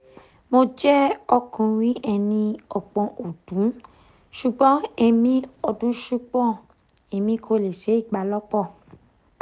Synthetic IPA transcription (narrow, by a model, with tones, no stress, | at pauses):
mo˧d͡ʒɛ˦ɔ˧kũ˧ɾĩ˨˦ʔɛ˧nĩ˧ɔ˨k͡pɔ̃˨ʔo˨d̥ũ˨˦ | ʃu˨ɡ͡bɔ̃˨˦e˧mĩ˦ɔ˧dũ˨˦ʃu˦k͡pɔ̃˦˨ | e˧mĩ˧˦kʰo˧le˨ʃe˨˦i˦˨ɡ͡ba˨˧lɔ˦k͡pɔ˦˨